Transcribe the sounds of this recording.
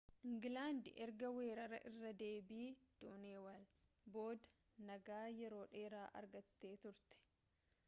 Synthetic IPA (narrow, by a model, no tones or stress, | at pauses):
ʔɪŋɡɪlaːnd̪ɪʔɛɾɡɐwe̞ːɾɐɾɐ̰ʔɪrːɐd̪e̞ːbiːd̪̥uːneːwɐl | bo̞ːd̪ɐ̥ | nɐɡaːjɛɾo̞ːᶑe̞ːɾaːʔɐ̰ɾɡɐt̪ːe̞ːt̪ʊɾt̪ɛ̥